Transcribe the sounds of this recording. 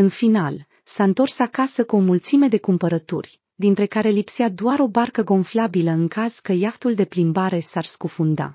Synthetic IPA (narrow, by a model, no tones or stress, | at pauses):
ɨnfinal | saɨnt̪o̞rsakasəkuo̞mult̪sime̞d̪e̞kumpəɾət̪ṵrʲ | d̪int̪ɾe̞kaɾe̞lipsead̪oaɾo̞barkəɡo̞nflabiləɨŋkaz̥kəjaft̪uld̪e̞plimbaɾe̞sarskufund̪a̰